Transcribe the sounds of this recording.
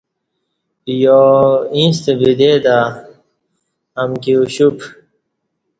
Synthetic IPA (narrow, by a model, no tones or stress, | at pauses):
joĩst̪ebid̪ed̪a | amkiuɕup